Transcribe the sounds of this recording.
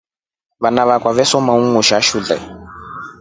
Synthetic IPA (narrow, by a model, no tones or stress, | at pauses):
βanaβakwaβɛsɔmauŋuʃaʃuɮɛ̰